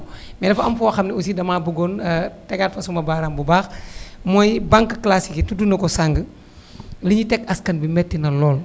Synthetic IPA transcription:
mɛdɐfɐmfuwaxɐmnius̬idɐmaːbuɡɔntɛɡatfɐsumɐbaːɾambubaːxmɔjbaŋkːəklasikitudunɐkɔsaŋɡə | liɲitɛkɐskɐnbimɛtːinɐlɔːl

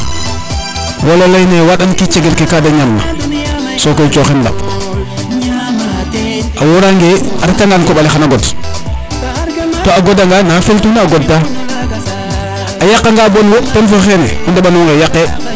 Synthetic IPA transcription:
wololajnewaɗankit͡ʃeɡelkekadaɲalːa̰ | sokojt͡ʃoxenla̰p | ʔawoɾaŋɡeaɾakaŋɡankoɓalexanaɡod | toːaɡodaŋɡanaafeltunaɡod̚ta | ajakːaŋɡabonwopenfoxenḛmandeɓanoŋɡajakːe

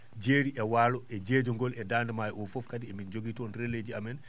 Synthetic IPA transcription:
d͡ʒeːɾiʔɛwaːlɔʔɛd͡ʒed͡ʒɔŋɡɔlɛdaːndɛmajɔfɔfkadiɛmind͡ʒoɡitɔnɾeled͡ʒiamɛn

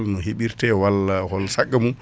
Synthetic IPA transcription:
lnɔhiɓiɾtɛwalahɔlsakːamu

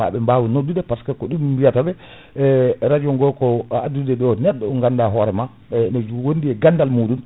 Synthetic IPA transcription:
a̰ɓɛmbawunodːudɛpaskɛkɔɗumbijatabɛ | ɾad͡ʒɔŋɡɔkɔadudɛɗɔnɛɗːɔɔŋɡandaɦɔɾɛma | nɛd͡ʒwondiɛɡandalmuɗun

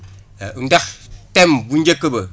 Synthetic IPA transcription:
un̩dak̚tɛmbun̩d͡ʒekəbə

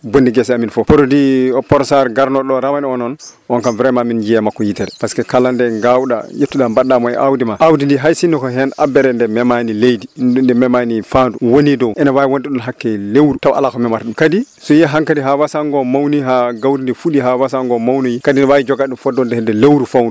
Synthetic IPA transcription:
bondiɡɛsɛaminfɔpɔɾodiɔpɔɾsaɾɡaɾnɔɗɔɾamaniɔnɔnʔɔnkamvɾɛmamind͡ʒijɛmakːɔjitɛɾɛpaskɛkalandɛŋɡawɗa̰jetːuɗambaɗamɔɛ̰ʔa̰wdimaʔawdindiɦajsinːɔkɔɦɛnabɛɾɛndɛmɛmanilejdinndɛmɛmanifanduwonidɔwʔɛnawajiwondɛɗɔnɦakːɛlewɾutawaʔa̰lakɔmɛmaɾɗumkadisɔjɛɦaŋkadiɦawasaŋɡɔmawniɦaɡawɾindifuɗiɦawasaŋɡɔmawnujikadinɛwajid͡ʒɔɡaɗumfɔdɔndɛhɛndɛlewɾufawndu

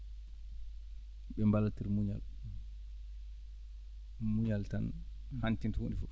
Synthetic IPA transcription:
ɓɛmbalatiɾmuɲal | muɲaltan | hantintuwonifɔ

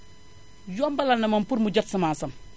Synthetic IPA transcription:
jɔmbɐlanːɐmɐmpuɾmuɟɐtsɐmaːsɐm

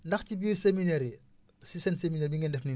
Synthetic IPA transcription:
ndɐxcibisemineɾi | sisɛnsemineɾbiŋɡɛndɛfni

